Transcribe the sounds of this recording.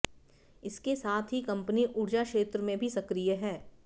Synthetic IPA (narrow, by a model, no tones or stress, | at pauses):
ɪskesaːt̪ʰɦikɐ̃mpəniʔʊɽd͡ʒakʃeːt̪ɾəmẽbʱisɐkɾijəɦɛː